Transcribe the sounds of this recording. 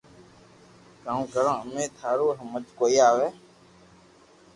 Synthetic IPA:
kãːkəɾãːəmẽːt̪ʰaːɾoːɦəmət̪koːiːaːʋeː

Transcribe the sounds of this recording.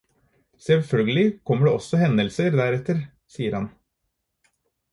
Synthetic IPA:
sɛlfœlɡəlɪkʰɔmːəɖeːʔɔsːɔhɛnd̪əlsəɾd̪æɾɛt̪ːəɾ | siːəɾhɑn

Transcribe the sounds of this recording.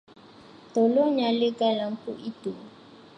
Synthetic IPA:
tɔloɲalɪɡalaŋ̩kuʔito

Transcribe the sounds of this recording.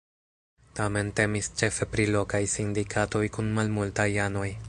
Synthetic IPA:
tame̞nte̞mist͡ʃe̞fe̞pɾilo̞kajsindikʰato̞jkunmalmultajano̞j

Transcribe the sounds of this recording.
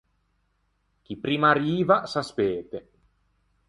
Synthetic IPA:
k̟ipɾiːmaɾiːvasaspeːt̪e

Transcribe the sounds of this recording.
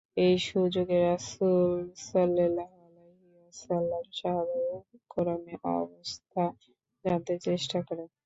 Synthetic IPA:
ejʃud͡ʑoɡeɾasulsɔlːelaɦaleɦiwasalːaɾʃaɦɾekɔɾameʔɔ̰bost̪ʰa | d͡ʑant̪eɾt͡ɕeʃʈakɔɾen

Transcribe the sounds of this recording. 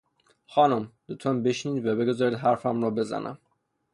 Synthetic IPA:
xɒːnomd̪̥ot̪ʰɔnbe̞ʃniːd̪væbe̞ɡozɒːɾiːd̪ɦæɾfæmɾɔːbe̞zæ̰nʔæ̰m

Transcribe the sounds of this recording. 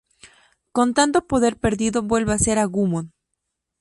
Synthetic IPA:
ko̞nt̪ant̪o̞po̞ðe̞ɾpe̞ɾðiðo̞βwe̞lβease̞ɾaɣumon

